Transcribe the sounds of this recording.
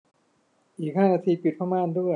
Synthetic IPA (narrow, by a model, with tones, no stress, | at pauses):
ʔiː˨˩k̚haː˥˩naː˧t̪ʰiː˧pi˨˩t̪̚pʰaː˧˥˩maː˧˨ndu˥˩əj